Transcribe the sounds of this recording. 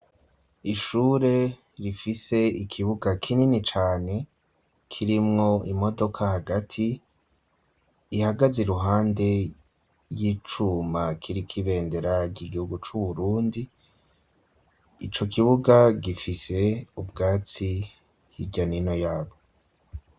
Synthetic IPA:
iʃuːɾe̞ | ɾifise̞ikʰiβuɡakʰininit͡ʃaːne̞ | kʰiɾimŋo̞ʔimo̞do̞kʰahaɡatʰi | haɡaziɾuɦaːnde̞ | jiːt͡ʃumakʰiɾikʰiβe̞ːnde̞ɾaɟiɡihuɡut͡ʃuβuɾuːndi | t͡ʃo̞kiβuɡaɡifise̞ubɡaːt͡si | hiɟanino̞jaːβo̞

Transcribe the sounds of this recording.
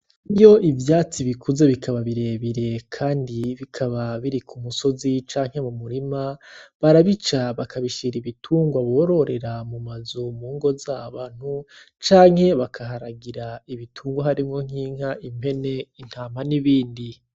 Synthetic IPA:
iβjo̞ʔivjaːt͡siβikʰuze̞βikʰaβaβiɾe̞βiɾe̞kʰaːndiβikʰaβaβiɾikʰumuso̞zit͡ʃaːŋ̥he̞mumuɾimaβaɾaβit͡ʃaβakʰaβiʃiɾiβitʰuːŋɡwaβoːɾo̞ɾe̞ɾamumazumuːŋɡo̞zaːβan̥hu | t͡ʃaːŋ̥he̞βakʰaɦaɾaɡiɾaiβitʰuːŋɡwaɦaɾimŋo̞ŋ̥iːŋ̥haʔime̞ne̞in̥haːmaniβiːndi

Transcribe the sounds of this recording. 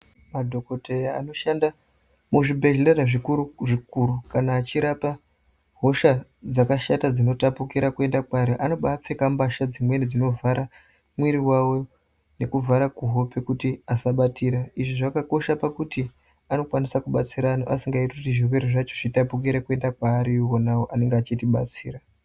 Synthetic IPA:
madʱo̞koteja̰ːno̞ʃanda | muʐibʱe̞ʒilaɾaʐikuuʐikuɾukanaːt͡ʃiɾapa | ɦo̞ʃad͡zakaʃatad͡zino̞tapukiɾakue̞ndakwaɾeʔano̞ɓap͡fe̞kambaʃad͡zimwe̞nid͡zino̞vaɾa | mwiɾiwawo̞ | ne̞kuvʱaɾakuɦo̞pe̞kutiasaɓatiːɾaiʐiʐakako̞ʃapakuti | ano̞kwanisakuɓat͡siɾanoʔa̰siŋɡaiteutiʐirweɾiʐat͡ʃoʐitapuk̬iɾekue̞ndakwaːɾiwo̞nawoʔane̞ŋɡeat͡ʃitiɓa̰t͡siːɾa

